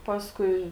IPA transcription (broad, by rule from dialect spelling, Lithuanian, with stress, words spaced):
ˈpɑːskʊɪ